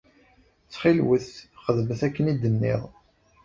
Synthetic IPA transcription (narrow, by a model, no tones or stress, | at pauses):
t͡sːχɪlwəθχəðməθækːənid̪ənːḭðˤ